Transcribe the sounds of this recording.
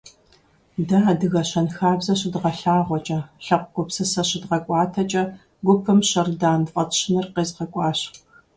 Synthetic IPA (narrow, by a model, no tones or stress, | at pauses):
daːdɨɣɐɕɐnxaːbzɐɕɪdʁɐɬaːʁʷɔt͡ʃʼɐɬɐqʷɡʷʊpsɨsɐɕɪdʁɐkʷʼɑːtʰɐt͡ʃʼɐ | ɡʷʊpʰɐmɕɐrdaːnfʼɐtɕɪnɨrqeːzʁɐkʷʼɑːɕ